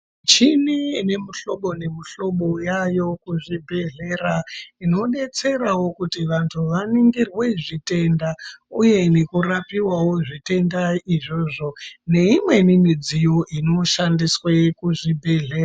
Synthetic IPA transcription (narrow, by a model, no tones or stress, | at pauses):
t͡ʃinine̞muɬo̞ɓo̞ne̞muɬo̞ɓojajo̞kuʐibʱe̞ɮe̞raino̞ɗe̞t͡se̞ɾawo̞kutiʋantʰuʋaniŋɡirwe̞ʐite̞ndauje̞ne̞kurapiwawo̞ʐite̞ndaiʐo̞ʐo̞ne̞imwe̞nimid͡zijo̞ʔino̞ʃandiswekuʐibʱe̞ɮe̞ːra